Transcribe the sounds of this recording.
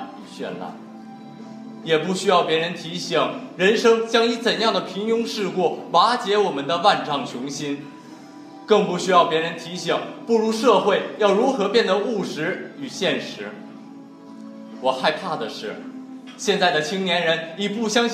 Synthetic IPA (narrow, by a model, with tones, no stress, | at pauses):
ɕɥɛ̰˥˧nla̰˥˩n | jɛ˨˩pu˥˩ɕy˥jɑ˥˩ʊpjɛ˧˥ɻə˧˥nt̪ʰi˧˥ɕi˨˩˦ŋɻə˧˥nʂɤ˥ŋt͡ɕjɑ˥ŋi˧˥t͡sə˨˩njɑ˥˩ŋd̪ə˩pʰi˧˥ŋjʊ˥ŋʂɻ̩˥˧kwɔ˥˩wa˧˥t͡ɕjɛ˧˥wɔ˨˩mə˦nd̪ə˧wa˥˧nʈ͡ʂʰɑ˥˩ŋt͡ɕʰjʊ˧˥ŋɕi˥n | kɤ˥˩ŋpu˥˩ɕy˥jɑ˥˩ʊpjɛ˧˥ɻə˧˥nt̪ʰi˧˥ɕi˨˩˦ŋpu˥˩ɻu˧˥ʂɤ˥˧xwe˥˩ɪjɑ˥˩ʊɻu˧˥xɤ˧˥pjɛ˥˩nd̪ə˨˩u˥˩ʂɻ̩˧˥y˨˩ɕjɛ˥˩nʂɻ̩˧˥ | wɔ˨˩xa˥˧ɪpʰa˥˩d̪ə˩ʂɻ̩˥˩ | ɕjɛ˥˧nt͡sa˥˩ɪd̪ə˩t͡ɕʰi˥ŋnjɛ˧˥nɻə˧˥ni˨˩pu˥˩ɕjɑ˥ŋɕ